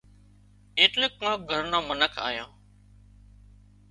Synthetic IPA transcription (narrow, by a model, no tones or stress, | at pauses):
ẽːʈlẽːkːãːk̚ɡʱəɾnãːmənəkʰa̰ːjã̰ː